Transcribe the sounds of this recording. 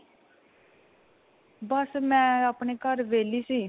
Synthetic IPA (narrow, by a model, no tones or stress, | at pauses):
bəsmɛ̃ːəpɳeːkəɾʋeːliːsiː